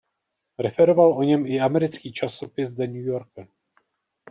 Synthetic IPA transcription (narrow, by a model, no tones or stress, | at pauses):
ɾɛfɛɾovalʔo̞ɲɛmɪamɛɾɪt͡skiːt͡ʃasopɪsdɛɲujoɾka